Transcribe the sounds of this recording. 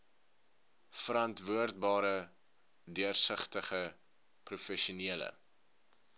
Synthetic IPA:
fəɾɐntvuərt̚bɑːɾə | dyərsəχtəχə | prufɛʃuniələ̰

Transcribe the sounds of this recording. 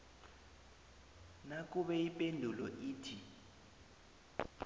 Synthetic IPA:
nak̬ʼuɓɛipʼendʱulɔ̰ʔiːtʰi

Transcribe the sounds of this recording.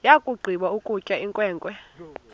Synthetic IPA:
jakʼuɡ͡ǀʱiɓaukʼucʼaiŋkʼwɛːŋkʼwɛ

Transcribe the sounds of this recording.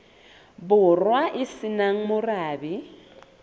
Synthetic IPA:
bʊrwaʔɪsɪnaŋ̩mʊraːbɪ

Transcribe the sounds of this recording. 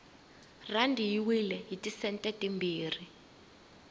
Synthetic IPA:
randʱijiwilɛɦitʼisɛntʼɛtʼimbʱiːri

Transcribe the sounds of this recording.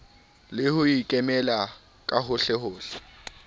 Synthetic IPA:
lɪhʊikʼɛmɛla | kʼaɦʊɬɛhʊːɬɛ̥

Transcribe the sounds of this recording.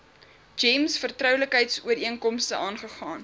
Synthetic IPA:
d͡ʒɛmsfərtrœwləkɦəjtsuəɾiəŋkɔmstəʔɑːnχəχɑːn

